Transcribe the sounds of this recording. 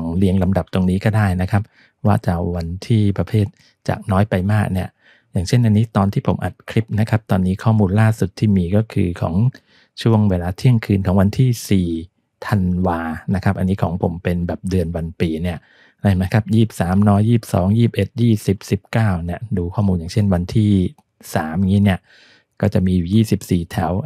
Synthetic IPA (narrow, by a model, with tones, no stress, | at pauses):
ŋli˧əŋla˧mda˨˩p̚t̪o˧ŋniː˦˥kɔː˥˩daː˥˩jna˦˥kʰa˦˥p̚ | waː˥˩t͡ɕa˨˩wa˧nt̪ʰiː˥˩pɾa˧pʰeː˥˩t̪̚ | t͡ɕa̰ː˨˩k̚nɔː˦˥jpa˧jmaː˥˩k̚ni˥˩ɐ | jaː˨˩ŋt͡ɕʰe˥˩nʔa˧nːiː˦˥t̪ɔː˧nt̪ʰiː˥˩o˩˦mʔa˨˩t̪̚kʰɾi˦˥p̚na˦˥kʰa˦˥p̚t̪ɔː˧nːiː˦˥kʰɔː˥˩muː˧nlaː˥˩su˨˩t̪ʰːiː˥˩miː˧kɔː˥˩kʰɯ̰ː˧kʰɔ̰ː˩˦ŋ | t͡ɕʰu˥˩əŋweː˧laː˧t̪ʰi˥˩əŋkʰɯː˧nkʰɔː˩˦ŋwa˧nt̪ʰiː˥˩siː˨˩ | t̪ʰa˧nwaː˧na˦˥kʰa˦˥pʔa˧nːiː˦˥kʰɔː˩˦ŋpʰo˩˦mpe˧nbɛː˨˩p̚dɯ˧ənwa˧npiː˧ni˥˩ɐ | ɾa˥˩ma˦˥jkʰa˦˥p̚jiː˥˩p̚saː˩˦mnɔː˦˥jːiː˥˩p̚sɔ̰ː˩˦ŋjiː˥˩p̚ʔe˨˩t̪̚jiː˥˩si˨˩p̚si˨˩p̚kaː˥˩wni˥˩ɐduː˧kʰɔː˥˩muː˧nja˨˩ŋt͡ɕʰe˥˩nwa˧nt̪ʰiː˥˩ | saː˩˦mʔŋiː˦˥ni˥˩ɐ | kɔː˥˩t͡ɕa˨˩ʔmiː˧juː˨˩jiː˥˩si˨˩p̚siː˨˩t̪ʰɛ˩˦w